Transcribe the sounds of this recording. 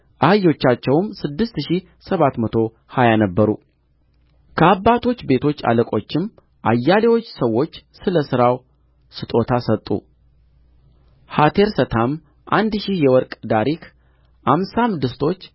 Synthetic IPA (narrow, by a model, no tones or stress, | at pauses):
ʔahɨjːo̞t͡ʃːat͡ʃːɛwmsɨd̪ːɨst̪ʃi | səβat̪mət̪ʰo̞ | hajanəbːəɾṵ | kʰəabːat̪ʰo̞t͡ʃːbe̞t̪ʰo̞t͡ʃːa̰ləkʼo̞t͡ʃːɪm | ʔa̰jːalewo̞t͡ʃːsəwːo̞t͡ʃːsɨləsɨɾaw | sɨt̪ʼo̞t̪ʰasət̪ʼːṵ | hat̪ʰe̞ɾsət̪ʰam | ʔand̪ʃijɛwɔɾkʼd̪aɾik | ʔamsamd̪ɨst̪ʰo̞t͡ʃː